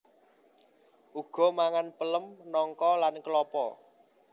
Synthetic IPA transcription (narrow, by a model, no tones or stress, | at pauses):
ʔuɡ̥ɔ̤maŋanpələmnɔŋkɔlankəlɔpɔ̰